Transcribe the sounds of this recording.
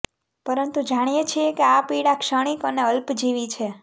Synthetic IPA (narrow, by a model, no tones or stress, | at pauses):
pəɾənt̪ud͡ʒaɽ̃ijet͡ʃʰiekeapiɽakʃəɽ̃ikəneəlpd͡ʒiʋit͡ʃʰe